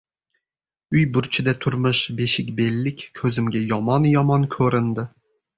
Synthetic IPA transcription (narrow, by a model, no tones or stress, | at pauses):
yjbuɾt͡ʃʰid̪ɛt̪ʰʊɾmʊʃbeʃɪkʲbelːɪkʲkʲʰøzɪmɡʲɛjɑmɑnjɑmɑnkʲʰøɾɪnd̪ɪ